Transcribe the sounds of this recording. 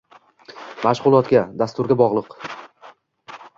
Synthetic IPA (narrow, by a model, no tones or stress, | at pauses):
maʃʁʊlˠɒt̪ɡʲad̪ast̪ʊɾɡʲabɒʁlˠɨq